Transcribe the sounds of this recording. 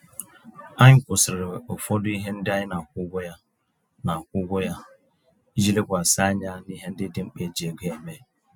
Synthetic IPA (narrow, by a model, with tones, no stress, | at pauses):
a˦ɲɪ˦kʷʊ˨sɪ˨ɾɪ˨o˨fɔ˦dʊ˦i˦ɦe˦n̩˦dɪ˦a˦ɲɪ˦na˨kʷʊ˦ɡʷʊ˦ja˦ | na˨kʷʊ˦ɡʷʊ˦ja˦ | i˦d͡ʒi˦le˦kʷa˨sa˦ɲa˦ni˦ɦe˦n̩˦dɪ˦dɪ˦ŋ͡m̩˦k͡pe˦˨d͡ʒi˨e˨ɡʷe˨˦e˨me˦